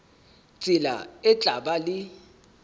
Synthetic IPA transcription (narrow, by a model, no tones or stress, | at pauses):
t͡sʼɪla̰ɛt͡ɬʼaɓalɪ